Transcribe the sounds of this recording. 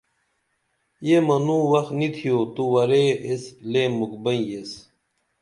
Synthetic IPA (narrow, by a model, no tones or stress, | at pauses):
jemɐnuwɐxnit̪ʰijoːt̪uwɐɾeesleːmukbɐĩjes